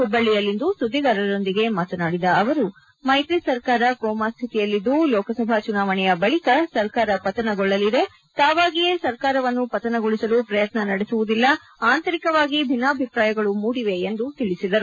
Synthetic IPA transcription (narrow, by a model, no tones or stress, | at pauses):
ubɐɭːijɐlːind̪usud̪ʱːiɡɐɾɐɾo̞nd̪iɡe̞maːt̪ɐnaːɽid̪ɐːʋɐɾu | mɐjt̪isɐɾkaːɾɐkɔːmast̪ʰit̪ijɐlːid̪ːulɔːkɐsɐbʱat͡ʃunaːʋɐɳɛjɐbɐɭikɐsɐɾkaːɾɐpɐt̪ɐnɐɡɔɭːɐlid̪e̞ | t̪aːʋaːɡijesɐɾkaːɾɐʋɐnːupɐt̪ɐnɐɡoɭisɐlupɾɐjɐt̪nɐnɐɽesuʋud̪ilːɐ | aːnt̪ɐɾikɐʋaːɡibʱinːaːɐbʱipɾaːjɐɡɐɭumuːɽiʋe̞ːnd̪ut̪iɭisid̪ɐɾu